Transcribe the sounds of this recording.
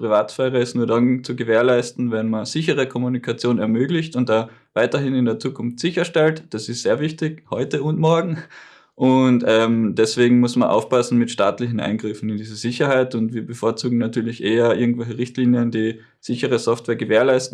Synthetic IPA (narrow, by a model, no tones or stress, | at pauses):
pʁ̥ivaːtfɛːʁəɪstnuːɐdant͡suɡəveːɐlaɪstn̩vɛnmɐnz̥ɪçəʁəkʰɔmunikʰat͡sjoːnɛɐmøːɡlɪçtʊnt̚d̥a | vaɪtɐɦɪnɪndeːɐt͡suːkʰʊnftz̥ɪçɐʃtɛltd̥asɪstzeːɐvɪçtɪçhɔʏtəʊntmɔɐɡŋ̩ | ʔʊntɛmd̥ɛsv̥eːɡŋ̩mʊsmɐnʔa̰ʊfpasn̩mɪtʃta̰ːtlɪçn̩ʔa̰ɪnɡʁɪfn̩ɪndiːzəzɪçɐhaɪtʊntviːɐbəfoːɐt͡suːɡŋ̩natʰyːɐlɪçʔeːɐʔɪɐɡŋ̩tv̥ɛlçəʁɪçtliːnjənd̥iː | z̥ɪçəʁəsɔftv̥eːɐɡəveːɐlaɪstn̩